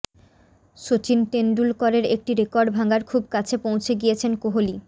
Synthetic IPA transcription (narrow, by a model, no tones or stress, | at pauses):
ʃot͡ɕinʈenɖulkɔɾeɾek̚ʈiɾekɔɾɖbʱaŋɡaɾkʰubkat͡ɕʰepõwt͡ɕʰeɡijet͡ɕʰenkoɦoli